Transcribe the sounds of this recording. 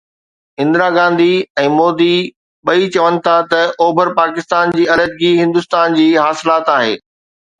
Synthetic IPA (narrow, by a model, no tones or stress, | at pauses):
ɪ̃nd̪ɪɾaɡãːnd̪iɛ̃ːmoːd̪i | ɓɐit͡ɕɐʋənɪ̆t̪ʰat̪ɐoːbʱəɾpaːkɪst̪aːnd͡ʑiːɐləd̪̚ɡiɦɪ̃nd̪ʊst̪aːnd͡ʑiːɦaːsɪlaːt̪aːɦḛː